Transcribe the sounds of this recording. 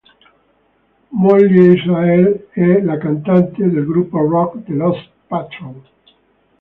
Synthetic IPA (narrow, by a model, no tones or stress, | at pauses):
molːiisaɛlɛlakant̪ant̪ed̪elɡɾupːorɔkd̪elɔs | pat̪ɾol